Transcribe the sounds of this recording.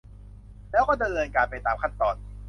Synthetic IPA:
lɛː˦˥wkɔː˥˩da˧nɤː˧nkaː˧npa˧jt̪aː˧mkʰa˥˩nt̪ɔː˧n

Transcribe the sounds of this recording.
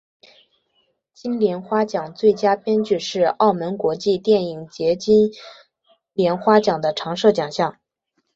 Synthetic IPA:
t͡ɕi˥nljɛ˧˥nxwa˥t͡ɕjɑ˨˩ŋt͡swe˥˩ɪt͡ɕja˥pjɛ˥nt͡ɕy˥˧ʂɻ̩˥˧ɑ˥˩ʊmə˧˥nkwɔ˧˥t͡ɕi˥˧t̪jɛ˥˩ni˨˩ŋt͡ɕjɛ˧˥t͡ɕi˥n | ljɛ˧˥nxwa˥t͡ɕjɑ˨˩ŋd̪ə˦ʈ͡ʂʰɑ˧˥ŋʂɤ˥˩t͡ɕjɑ˨˩ŋɕjɑ˥˩ŋ

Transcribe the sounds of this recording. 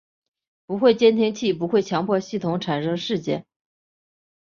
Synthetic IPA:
pu˧˥xwe˥˩ɪt͡ɕjɛ˥nt̪ʰi˥ŋt͡ɕʰi˥˩p̬u˧˥xwe˥˩ɪt͡ɕʰjɑ˧˥ŋpʰwɔ˥˧ɕi˥˩t̪ʰʊ˧˥ŋʈ͡ʂʰa˨˩nʂɤ˥ŋʂɻ̩˥˧t͡ɕjɛ̰˥˩n

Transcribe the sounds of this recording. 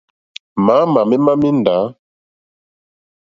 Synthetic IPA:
ma˨˦ma˨mɛ˦ma˦mi˦n˨da˨˦

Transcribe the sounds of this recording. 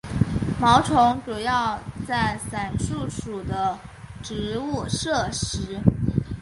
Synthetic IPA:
mɑ˧˥ʊʈ͡ʂʰʊ˧˥ŋʈ͡ʂu˨˩jɑ˥˩˧ʊt͡sa˥˩ɪsa˨˩nʂu˥˩ʂu˨˩d̪ə˦ʈ͡ʂɻ̩˧˥u˥˩ʂɤ˥˩ʂɻ̩˧˥

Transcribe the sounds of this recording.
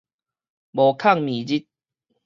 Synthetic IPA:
bo˨kʰa˥˧˨ŋmĩ˨d͡ʑi˦t̪̚

